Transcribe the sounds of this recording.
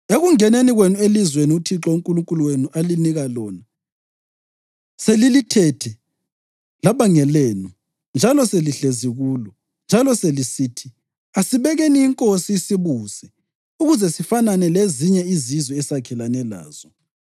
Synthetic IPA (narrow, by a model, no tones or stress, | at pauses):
eɣuŋɛneniɣwenuelizweniutʰiǁɔuŋkʼuluŋkʼuluwenuʔaliniɣalɔna | selilitʰɛtʰɛ | laβaŋɛleːnu | nd͡ʒʱalɔseliɬeziɣuːlɔ | nd͡ʒʱalɔselisiːtʰi̥ | asiβɛɣeniiŋkʼosiisiβuːsɛ | uɣuzɛsifananɛleziɲɛizizwɛɛsakʰɛlanɛla̰ːz̥ɔ